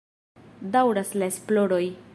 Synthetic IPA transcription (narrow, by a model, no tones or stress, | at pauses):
dawɾaslae̞splo̞ɾo̞j